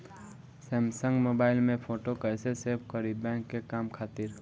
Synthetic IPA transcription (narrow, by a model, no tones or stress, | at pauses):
sɛ̃ːmsə̃ŋɡmoːbaːɪlmẽpʰoːʈokəɪseseɾb̚kəɾibɛ̃ːŋkːekaːmkʰaːt̪ɪɾ